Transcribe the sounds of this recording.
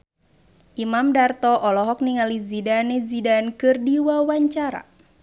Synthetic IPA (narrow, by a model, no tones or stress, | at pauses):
ʔimamdart̪ɔʔɔlɔɦɔk̚niŋalizidanezidankɨrdiwawaɲt͡ʃaɾa̰